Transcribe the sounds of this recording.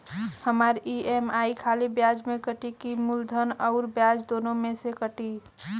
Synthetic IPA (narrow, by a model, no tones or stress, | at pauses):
həmaɾiemaːikʰaːlibjad͡ʒmẽkəʈikimʊld̪ʱənɔʊɾbjad͡ʒd̪oːnõmẽsekəʈi